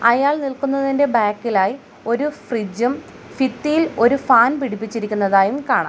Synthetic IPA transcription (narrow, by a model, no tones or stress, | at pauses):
ɐjaːɭnilkunːɐðinde̞baːkːilaːji | o̞ɾufrid͡ʑɐm | fit̪ːijilo̞ɾufaːnpiɽip̬ːit͡ɕːiɾikʲːunːɐðaːjumkaːɳa̰ː